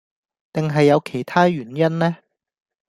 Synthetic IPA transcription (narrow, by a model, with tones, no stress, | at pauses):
t̪ɪ˨ŋɦɐ˨jːɐ˨˧wkʰe˨˩jt̪ʰaː˥ɥyː˨˩njɐ˥nlɛː˥